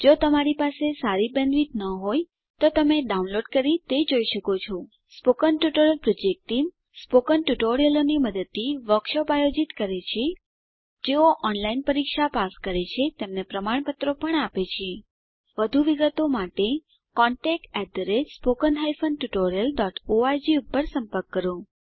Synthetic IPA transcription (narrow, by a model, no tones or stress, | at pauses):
d͡ʒot̪əmaɾipasesaɾibɛ̃nʋit̪nəɦoj | t̪ot̪əmeɖaunloɖkəɾit̪ed͡ʒoiʃəkot͡ʃʰo | spokənʈjuʈoɾjəlpɾod͡ʒek̚ʈːim | spokənʈuʈoɾijəloniməd̪ət̪ːiʋəkʃəpajod͡ʒit̪kəɾet͡ʃʰe | d͡ʒeoʔɔnlainpəɾikʃapaskəɾet͡ʃʰet̪emnepɾəmaɳ̃pət̪ɾopəɳapet͡ʃʰe | ʋəd̪ʱuʋiɡət̪omaʈe | kɔɳʈek̚ʈɛd̪əɾespokənɦajfənʈuʈoɾijəlɖɔʈoaɾd͡ʒiupːəɾsəmpəɾkːəɾo